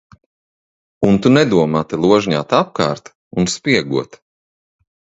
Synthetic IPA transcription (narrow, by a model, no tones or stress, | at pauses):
unt̪unɛd̪uɔmaːt̪ilˠuɔʒɲa̰ːt̪ap̚ka̰ːɾt̪ | unspʲiɛɡuɔt̪